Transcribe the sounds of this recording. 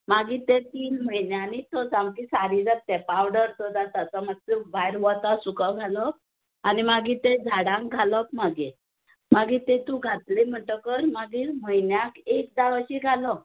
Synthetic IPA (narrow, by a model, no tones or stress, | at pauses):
maɡit̪ẽt̪iːnməjnjanit̪osãmkisaɾid͡zat̪epawɽəɾt̪ɔt̪at̪at͡samaɡ̚t̪ebajɾʋɔt̪asukaɡʱalɔp̚ | animaɡiːt̪ed͡zʱaɽãŋkɡʱalɔp̚maɡi | maɡit̪et̪ũɡʱat̪lem̤əɳʈəkəɾmaɡiːɾməjnjakek̚d̪aʋaɕiɡʱalɔ